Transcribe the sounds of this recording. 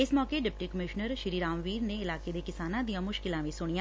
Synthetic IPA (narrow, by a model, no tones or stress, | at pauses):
ɪsmɔːkeɖɪp̚ʈiːkəmɪʃnəɾʃɪɾiːɾaːmʋiːɾneɪlaːkeːd̪eːkɪsaːnãːd̪ijãːmʊʃkɪlãːʋĩsʊɽɳɪjãː